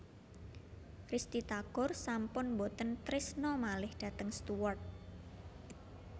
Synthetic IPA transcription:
rist̪it̪aɡ̥ɔrsampʊnbot̪ənt̪ɾɪsnɔmalɪhd̥a̤t̪əŋst̪uwɔrt̪̚

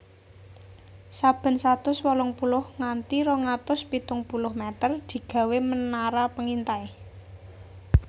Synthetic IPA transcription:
sab̥ə̤nsat̪ʊswɔlɔŋpulʊhŋant̪iɾɔŋat̪ʊspit̪ʊŋpulʊhmɛt̪ərd̪̥i̤ɡ̥ä̤wemənaɾapəŋint̪ai

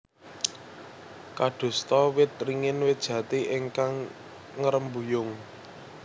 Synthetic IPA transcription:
kaɖ̪̥ṳst̪ɔwɪt̪̚riŋɪnwed̥ʒ̥ä̤t̪iʔɪŋkaŋ | ŋəɾəmbujʊŋ

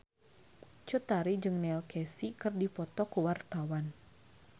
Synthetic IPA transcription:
t͡ʃut̪aɾid͡ʒɨŋnɛlkɛsikɨrdipɔt̪ɔkuwart̪awan

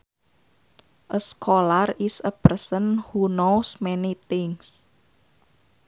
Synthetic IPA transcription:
ʔəskʰolarisəpərsənhunowsmɛnit̪ɪŋs

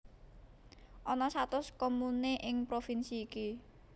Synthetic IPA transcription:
ʔɔnɔsat̪ʊskomuneʔɪŋpɾofinsiːki

